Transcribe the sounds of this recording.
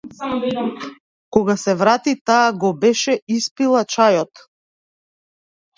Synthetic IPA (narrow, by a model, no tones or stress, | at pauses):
kɔɡasɛvɾat̪it̪aːɡɔbɛʃɛispilˠat͡ʃajɔt̪